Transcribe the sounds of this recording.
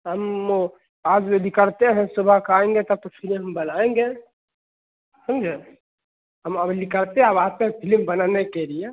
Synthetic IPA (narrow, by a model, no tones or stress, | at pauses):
ɦəm | aːd͡ʒolɪkəɾt̪eɦɛ̃subʱəɦkaːẽŋɡet̪əb̚t̪opʰileɦɐmbənaːẽŋɡe | səmd͡ʒe | ɦəməblɪkəɽt̪eɦəbaːt̪epʰilmbənanekelije